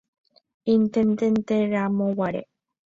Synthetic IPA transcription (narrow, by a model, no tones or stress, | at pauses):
int̪ent̪ent̪eɾamõwaɾḛ